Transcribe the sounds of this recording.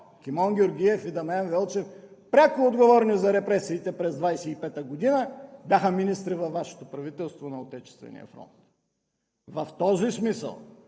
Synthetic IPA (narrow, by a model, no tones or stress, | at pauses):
kʲimɔnɡʲioɾɡʲiɛfid̪ɐmɐjanvɛlˠt͡ʃɛfpɾʲakʊod̪ɡovɔɾnizɐɾɛpɾɛsiːt̪ɛpɾɛzd̪vajsɛipɛt̪əɡod̪inəbʲjaxəminist̪ɾivɐfvːaʃɛ̥t̪opɾɐvit̪ɛlˠst̪vonɐot̪ɛt͡ʃɛ̥st̪vɛ̰nḭjə̰fɾɔ̰nt̪ | vɐft̪ɔzismisə̰lˠ